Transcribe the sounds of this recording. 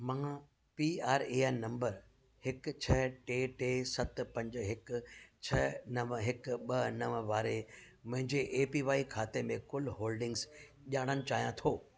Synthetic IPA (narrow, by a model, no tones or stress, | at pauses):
mãː | piːaːɾeːaːnnɐ̃mbəɾ | hɪkt͡ɕʰɐʈeːʈeːsɐt̪pɐ̃ɲd͡ʑɦɪkt͡ɕʰɐnɐɦɪkɓɐnɐʋəʋaːɾe | mʊ̃ɦɪ̃ɲd͡ʑeʔeːpiːʋaːikʰaːt̪emẽkʊlɦoːlɖɪ̃ŋɡz | ʄaːɽ̃ənɪ̆t͡ɕaːɦijãt̪ʰoː